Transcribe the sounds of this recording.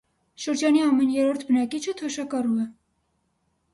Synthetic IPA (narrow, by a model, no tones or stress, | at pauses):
ʃəɾd͡ʒɑniɑmɛnjɛɾɔɾt̪ʰbənɑkit͡ʃʰət̪ʰɔʃɑkɑruɛ